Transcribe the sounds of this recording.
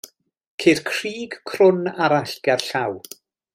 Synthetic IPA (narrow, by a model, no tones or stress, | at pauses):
kʰerkʰriːɡ̥kʰrʊnaɾaɬɡ̥arɬaw